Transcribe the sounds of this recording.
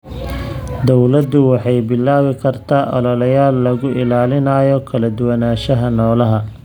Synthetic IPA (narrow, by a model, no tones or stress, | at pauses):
d̪ɔwlɐd̪ʊwɑħɑjbɪlːaːwɪkʰɐrt̪ʰaːʔɔ̰lɐlɐjaːlːɐɣʊʔɪlaːlɪnaːjɔkʰɐlɐd̪ʊwɐnaːʃɐɦɐnɔːlɐɦɐ